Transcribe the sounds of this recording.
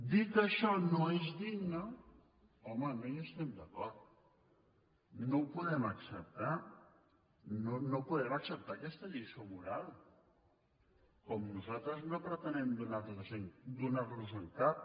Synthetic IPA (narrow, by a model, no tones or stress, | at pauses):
d̪it̪əʃɔnoezðiɡnə | ɔmənojest̪ɛmd̪akɔɾt̪ | nowpuðɛmaksəp̚t̪a | nonopuðɛmaksəp̚t̪akɛst̪əʎisoβuɾað | kɔmnuzat̪ɾəznopɾət̪ənɛmd̪unaɾlaʒend̪unaɾləzult̪at̪̚